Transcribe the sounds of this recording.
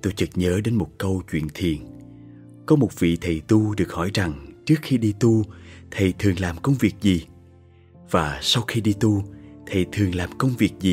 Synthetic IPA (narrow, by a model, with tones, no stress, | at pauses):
t̪o˧jt͡ɕɨ˨˩k̚ɲəː˨˦ɗe˨˦nmo˨˩t̚kə˧wt͡ɕwḭ˧˨ənt̪ʰḭ˨˩ən | kɔ˨˦mo˨˩t̚vḭ˧˨t̪ʰə˨˩jt̪u˧ɗɨ˨˩ək̚hɔ˧˩jza˨˩ŋt͡ɕɨ˦˥ək̚xi˧ɗi˧t̪u˧t̪ʰə˨˩jt̪ʰɨ˨˩əŋlaː˨˩mkə˧wŋ͡mvi˨˩ək̚zi˨˩ | v̥aː˨˩sa˧wxi˧ɗi˧t̪u˧t̪ʰə˨˩jt̪ʰɨ˨˩əŋlaː˨˩mkə˧wŋ͡mvi˨˩ək̚zi˨˩